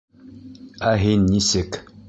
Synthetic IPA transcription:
aɦenisek

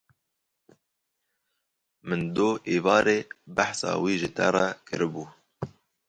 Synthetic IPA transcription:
mɨnd̪oːʔeːvɑːɾeːbaħsɑ̰ːwiːʒɨt̪ʰɛ̰rɛkʰɨ̰ɾɨbuː

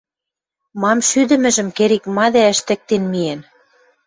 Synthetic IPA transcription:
mɑmʃyd̪ɘ̆mɘ̆ʒɘ̆mkeɾikmɑd̪æə̆ʃt̪ɘ̆k̚t̪enmien

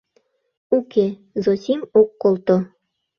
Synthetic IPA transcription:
uke | zosʲimokːolˠt̪o

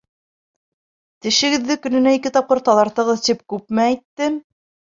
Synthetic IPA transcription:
t̪ɘ̆ʃɘ̆ɡɘ̆ðːɘkɵ̆nɘ̆næikɘt̪ɑp̚qɤɾt̪ɑðˠɑɾt̪ɤ̆ʁɤðt̪ip̚kʉpmæːjt̪ːɘm

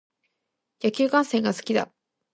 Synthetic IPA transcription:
jakʲɨːkãɰ̃sẽ̞ŋɡasɨ̥kʲid̪a̰

